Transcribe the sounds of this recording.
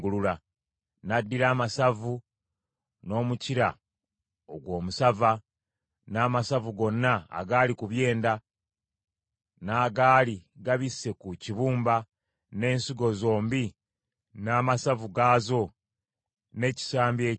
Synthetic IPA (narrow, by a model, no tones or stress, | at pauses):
ɡulula | nadːiɾaːmasavu | no̞ːmuciɾa̰ | oɡwo̞ːmusava | naːmasavuɡo̞nːa̰ːɡaːlikuβje̞ːnda | naːɡaːliɡaβisːe̞kuciβuːmba | ne̞ːnsiɡo̞zo̞ːmbi | naːmasavuɡaːzo̞ | ne̞ci̥saːmbje̞ː